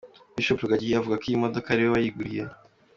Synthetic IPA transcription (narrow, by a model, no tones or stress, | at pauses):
miʃopoɡaɟiavuɡakijimodokaɾeeβajiɡuɾije